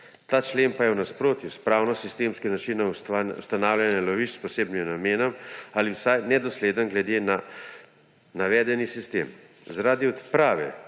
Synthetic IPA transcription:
t̪aːt͡ʃlempajɛwnaspɾoːt̪juspɾaːwnɔsist̪eːmskinat͡ʃinɔwsst̪anaːwlʲanjɛlɔʋiʃt͡ʃspɔseːbnimnameːnɔmaliwsajnɛd̪ɔsleːd̪ənɡlɛd̪ena | naʋɛːd̪ɛnisist̪ḛːm | zaɾaːd̪iɔt̪pɾaːʋɛ̰

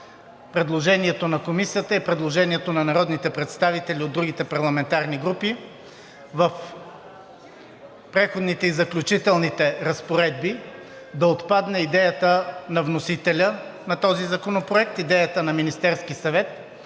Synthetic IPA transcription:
pɾɛd̪lˠoʒɛniɛt̪onɐkomisijət̪əipɾɛd̪lˠoʒɛniɛt̪onɐnɐɾɔd̪nit̪ɛpɾɛt̪st̪avit̪ɛlʲiod̪ːɾuɡit̪ɛpɐɾlˠɐmɛnt̪aɾniɡɾupi | vəf | pɾɛxod̪nit̪ɛizɐklʲut͡ʃit̪ɛlˠnit̪ɛɾɐspoɾɛd̪̚bi | d̪ɐot̪pad̪nɛid̪ɛjət̪ənɐvnosit̪ɛlʲənɐt̪ɔzizɐkonopɾoɛk̚t̪id̪ɛjət̪ənɐminist̪ɛɾskisɐvɛt̪̚

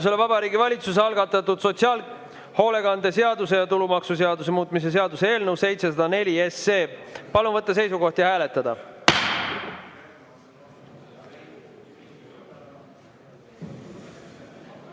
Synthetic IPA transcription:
us̬e̞levɑbɑɾiːɡivɑlʲit̪sus̬eɑlɡ̥ɑt̪ːˑɑt̪ːud̪̥so̞t̪siɑːl | ho̞ːle̞ɡɑnd̪ese̞ɑd̪use̞jɑt̪ulumɑksus̬eɑd̪us̬e̞muːt̪ˑmis̬e̞s̬e̞ɑd̪usee̞ːlnəwse̞jt̪se̞sɑd̪̥ɑne̞lʲie̞sːe̞ːpɑlunvɤt̪ˑːɑs̬e̞jsuɡo̞ht̪jɑhæːle̞t̪ːˑɑd̪̥ɑ̰

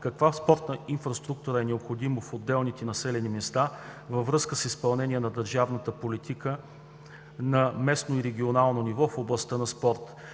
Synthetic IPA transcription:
kɐkvaspɔɾt̪nəinfɾɐst̪ɾuk̚t̪uɾəɛnɛopxod̪imofod̪ːɛlˠnit̪ɛnɐsɛlɛnimɛst̪avəvɾɤskəsispɐlˠnɛniɛnɐd̪əɾʒavnət̪əpolit̪ikə | nɐmɛsnoiɾɛɡ̟ʲionalˠnonivɔfoblˠɐst̪ənɐspɔɾt̪

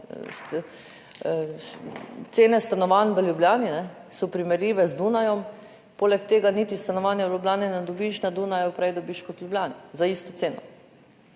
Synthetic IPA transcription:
s | t̪seːnɛst̪anɔʋanʋəljubljaːninɛ | sɔpɾimɛɾjiːʋɛzd̪unajɔm | poːlɛk̚t̪eːɡanit̪ist̪anɔʋaːnjɛʋljublʲjaːnɛnɛd̪ɔbiʃnad̪unajɔpɾɛjd̪ɔbiʃkɔt̪lʲjublʲaːnizaiːst̪ɔt̪seːnɔ

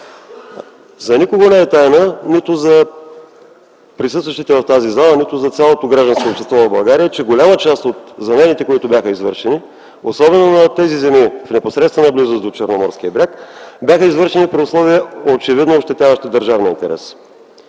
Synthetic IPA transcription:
zɐnikoɡonɛːt̪ajnənit̪ʊzɐ | pɾisɤst̪vɐʃt̪it̪ɛvɐft̪azizalˠənit̪ʊzɐt̪sʲalˠot̪oɡɾaʒd̪ənskoːpʃt̪ɛst̪vɔvɐbɐlˠɡaɾijət͡ʃɛɡolʲamət͡ʃast̪ot̪zɐmɛnit̪ɛkoit̪ʊbʲjaxəizvɤ̰ɾʃɛni | osɔbɛnonɐt̪ɛzizɛmifnɛposɾɛt̪t̪vənɐblizəzd̪ot͡ʃɛɾnomɔɾskʲiəbɾʲakbʲjaxəizvɤɾʃɛnipɾɛʊslˠɔviəot͡ʃɛvid̪noːpʃt̪ɛt̪ʲjavəʃt̪ɛd̪əɾʒavniint̪ɛ̰ɾɛ̰s

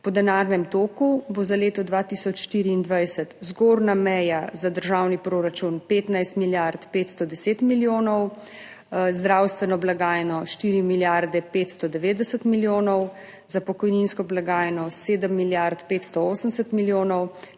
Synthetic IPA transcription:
pɔd̪ɛnaɾnɛmt̪oːkubozaleːt̪ɔd̪ʋat̪isɔt͡ʃʃt̪iɾiːnd̪ʋajsət̪zɡoːɾnamɛjazad̪əɾʒaːwnipɾoːɾat͡ʃunpeːt̪najst̪miljaɾt̪peːt̪st̪ɔd̪ɛseːt̪miljoːnɔw | zd̪ɾawst̪ʋɛnɔblaɡaːjɛnɔʃt̪iːɾimiljaɾd̪ɛpeːt̪st̪ɔd̪ɛʋeːd̪ɛsət̪miljoːnɔw | zapɔkɔjninskɔblaɡaːjɛnɔseːd̪əmːiljaɾt̪peːt̪st̪ɔoːsənɛsət̪miljoːnɔw

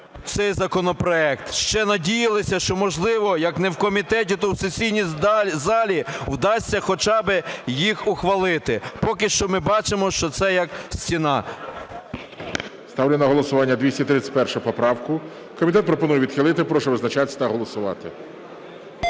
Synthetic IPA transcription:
t̪sɛjzɐkɔnɔpɾɔɛkt̪ʃt͡ʃɛnɐdʲijɐlˠɪsʲɐʃt͡ʃɔmɔʒlˠɪʋɔjɐknɛwkɔmʲit̪ɛtʲit̪ɔwsesʲijnʲizɑlʲiwd̪ɑsʲːɐxɔt͡ʃɑbɪjixʊxʋɐlˠɪt̪ɪpɔkɪʃt͡ʃɔmɪbɑt͡ʃemɔʃt͡ʃɔt̪sɛjɐksʲtʲinɑ | st̪ɑwlʲɪnɐɦɔlˠɔsʊʋɑnʲːɐd̪ʲʋʲisʲtʲit̪ɾɪt̪sʲɪ̥tʲpɛrʃʊpɔpɾɑwkʊ | kɔmʲit̪̬ɛt̪pɾɔpɔnujɛʋʲid̪xɪlˠɪt̪ɪpɾɔʃɛʋɪznɐt͡ʃɑt̪ɪsʲt̪ɐɦɔlˠɔsʊʋɑ̰t̪ɪ

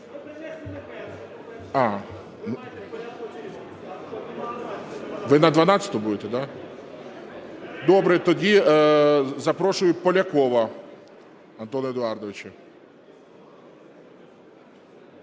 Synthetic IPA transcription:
a | n | ʋɪnɐd̪ʋɐnat͡sʲɐ̥t̪ʊbud̪ɛt̪ɛd̪a | d̪ɔbɾɛt̪ɔdʲi | zɐpɾɔʃʊjʊpɔlʲɐkɔʋɐ | ɐnt̪ɔnɔjɔd̪ʊard̪ɔʋɪt͡ʃɪ

